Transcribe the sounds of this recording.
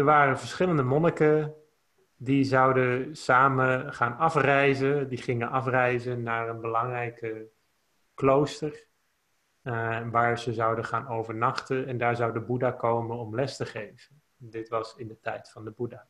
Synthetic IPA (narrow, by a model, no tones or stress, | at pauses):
əɹʋaːrəvəɹsχɪləndəmɔnəkə | dizɑwdəsaːməχaːnɑfrɛjzədiχɪŋəʔɑfrɛjzənaːɹənbəlɑŋrɛjkə | klowstər | ʋaːɹzəzɑwdəχaːnowvəɹnɑχtənɛndaːɹzɑwdəbudaːkowmənɔmlɛstəχejv̥ən | dɪtʋɑsɪndətɛjtfɑndəbudaː